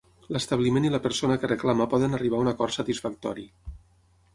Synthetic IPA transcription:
ləst̪aβlimeniləpəɾsonəkərəklaməpɔðənəriβ̞aunakɔɾsət̪isfak̚t̪ɔɾi

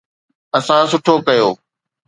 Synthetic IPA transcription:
əsãsʊʈʰoːkɐjoː

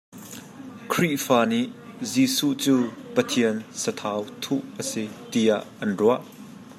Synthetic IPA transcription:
kʰɾiʔfaːniʔziːsuʔt͡suːpət̪ʰiənsət̪ʰawt̪ʰuʔʔəsit̪iaʔːɐnruaʔ

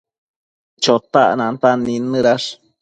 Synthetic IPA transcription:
t͡ʃot̪a̰ʔnant̪anːinːɨɾaʂ

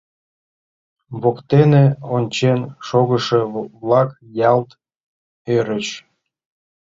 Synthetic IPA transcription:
βokt̪eneonʲt͡ɕenʃoɣəʃeβlɑk | jɑlt̪ | øɾət͡ɕ

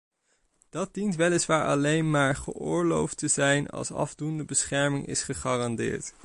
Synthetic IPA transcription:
d̥ɑd̚dintʋɛlɪsʋaːɹʔɑ̰lejnmaːɹχə̰ʔʊːɹlowftəzɛjnɑ̰lˠsɑ̰vdundəbəsχɛɹmɪŋʔɪ̰sχəχaːrɑndɪ̰ːɹt

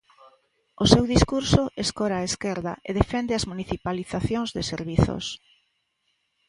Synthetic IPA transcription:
osewðiskuɾsʊʔeskɔɾaːeskɛɾðɐ̰ʔeðefɛnd̪ɪɐzmuniθipaliθaθjoŋzðɪseɾβiθo̰s

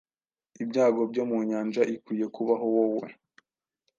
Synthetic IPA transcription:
ibɟaːɡo̞b̚ɟomuɲaːnd͡ʒaʔikwiːje̞kuβaɦowowe̞̰

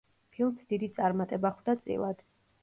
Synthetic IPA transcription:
pʰilˠmsd̪id̪it̪sʼaɾmat̪ʼɛbaχwd̪at̪sʼḭlˠad̪̥

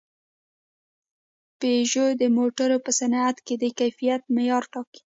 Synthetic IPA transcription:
peʒod̪əmoʈaɾopəsanat̪ked̪əkajfijat̪majɑɾʈɑki̥

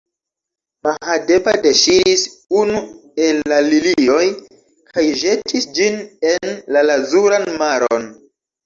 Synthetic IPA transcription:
mahade̞badeʃiɾisunue̞lːalilio̞j | kʰajʒe̞tʰisd͡ʒine̞nlalazuɾanmaɾo̰n

